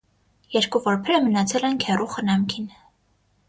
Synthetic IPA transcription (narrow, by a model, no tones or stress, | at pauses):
jɛɾkuvɔɾpʰɛɾəmənɑt͡sʰɛlɛnkʰɛruχənɑmkʰin